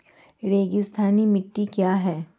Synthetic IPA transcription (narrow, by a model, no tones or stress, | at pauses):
ɾeːɡɪst̪ʰaːnimɪʈːikjaːɦɛː